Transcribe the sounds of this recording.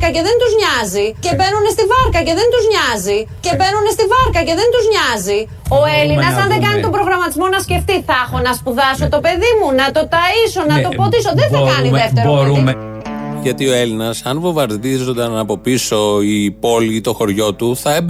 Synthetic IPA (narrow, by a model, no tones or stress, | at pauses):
kɐce̞ðe̞nt̪uzɲɐzice̞be̞nune̞st̪ivɐɾkɐce̞ðe̞nt̪uzɲɐzice̞be̞nune̞st̪ivɐɾkɐce̞ðe̞nt̪uzɲɐzi | o̞e̞linɐsɐnðeɡɐnit̪o̞bɾo̞ɣɾɐmɐt̪izmo̞nɐsce̞ft̪iθɐxo̞nɐspuðɐso̞t̪o̞pe̞ðimunɐt̪o̞t̪ɐiso̞nɐt̪o̞fo̞t̪iso̞ðeθɐkɐniðeft̪eɾoui | ʝɐt̪io̞e̞linɐsɐnvo̞vɐɾðizond̪ɐnɐpo̞piso̞ipo̞lit̪o̞xo̞ɾʝo̞t̪uθɐeb